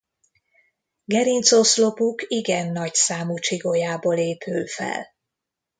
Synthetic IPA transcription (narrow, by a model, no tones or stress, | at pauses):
ɡɛɾint̪soslo̞pukiɡɛnːɒcsaːmut͡ʃiɡojaːboleːpʰøːfɛ̰l